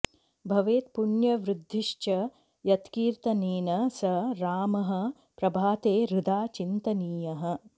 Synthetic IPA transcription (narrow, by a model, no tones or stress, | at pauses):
bʱɐʋeːt̪̚puɳjɐʋɾɪd̪ʱːiʃt͡ʃɐ | jɐt̪kiːɾt̪ɐniːnɐsɐɾaːmɐɦɐ̆ | pɾɐbʱaːt̪eːɾud̪aːt͡ʃint̪ɐniːjɐɦɐ̆